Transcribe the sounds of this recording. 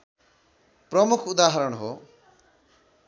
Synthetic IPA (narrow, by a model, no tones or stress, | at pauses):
pɾɔmukʰud̪aɦɔɾɔɳ̃ɦo̰